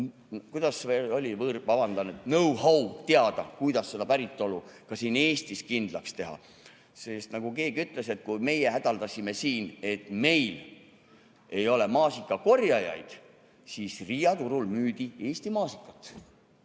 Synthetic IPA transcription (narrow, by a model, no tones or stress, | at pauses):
kujd̪̥ɑseo̞lʲivɤrvɑbɑnd̪̥ɑnut̪nɤwhɑwt̪e̞ɑd̪̥ɑkujd̪̥ɑse̞d̪ɑpæɾit̪ːˑo̞lukɑsiːne̞ːst̪iskind̪̥lɑkst̪e̞ɦɑ̰ | sest̪nɑɡ̥uke̞ːɡ̥yt̪ːˑle̞se̞t̪̚kujme̞jeɦæd̪̥ɑld̪ɑsʲime̞siːne̞t̪ːme̞jl | e̞jo̞le̞mɑːsikːˑɑko̞rjɑjɑ̰jd̪̥ | siːsrijɑt̪uɾulmyːd̪̥ie̞ːst̪imɑːsikːˑɑt̪ːˑ